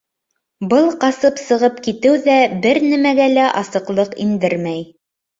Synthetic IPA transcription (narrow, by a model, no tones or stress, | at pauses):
bɤlˠqɑsɤpsɤ̆ʁɤp̚kit̪ɘwðæbɘɾnæmæɡælæʔɑsɤ̆qlˠɤqḭnd̪ɘɾmæj